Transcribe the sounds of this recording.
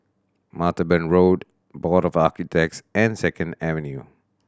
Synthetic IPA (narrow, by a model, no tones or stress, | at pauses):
matəbɛ̃nɹod | bɔɾɔfakitʰɛk̚sɛ̃nsɛkʰə̃ndɛvɛ̃nju